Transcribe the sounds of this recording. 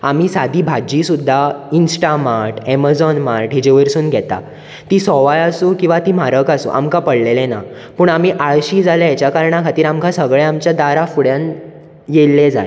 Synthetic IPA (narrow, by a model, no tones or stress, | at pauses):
am̤iːsad̪ʱiːbʱad͡ʑiːsud̪ʱːainsʈamaɾʈɛmad͡zɔnmaɾʈɦid͡ʑeʋəɾsuːnɡʱɛt̪a̰ | t̪iːsɔʋajasuːkĩw̃ʋat̪iːm̤aɾəkasṵːʔa̰mkapəɽlelena̰ | puːɳam̤iːʔaɭɕiːd͡zʱalajet͡ɕjakaɾɳakʰat̪iːɾamkãsəɡɭeamt͡ɕjad̪aɾafuɽjan | jelːed͡za̰j